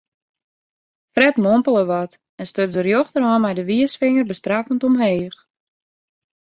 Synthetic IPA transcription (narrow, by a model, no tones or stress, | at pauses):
frɛtmompəlˠəʋɔt | ɛnstøzərjoxtərɔmɛjdəʋiəsfɪŋərbəstrafəntɔmɦeːx